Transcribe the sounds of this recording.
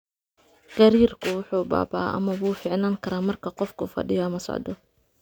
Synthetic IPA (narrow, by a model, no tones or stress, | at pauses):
ɡ̥ɐɾiːrkʰʊwʊħuːba̰ːba̰ːʔɐ̰mɐβuːfɪːʕnaːŋkʰɐɾaːmɐrkʰɐqɔfkʰʊfɐ̰ɖɪjɔɐmɐsɔ̰ʕd̪ɔ